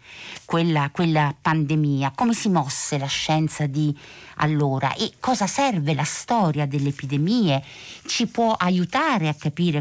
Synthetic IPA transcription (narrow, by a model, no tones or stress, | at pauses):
kwelːakwelːapand̪emiːakomesimɔsːelaʃːɛnt̪sad̪ia̰lːoːɾa̰ʔekːɔːzasɛrvelast̪ɔːɾjad̪elːeepid̪emiːe | t͡ʃipwɔʔajut̪aːɾeakːapiːɾe